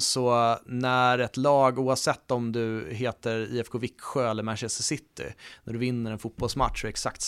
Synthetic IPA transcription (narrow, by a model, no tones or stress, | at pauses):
sɔnæɾɛt̪lɑːɡuːavsɛt̪ːɔmd̪ɵɦeːt̪əɾḭːɛfkʰovɪkːɧøːɛlːəɾmæʃɛsəsɪt̪ːɪ̰næɖɵvɪnːəɾɛnfʊt̪̚bɔlsma̰t̪ːʂɛksakt̪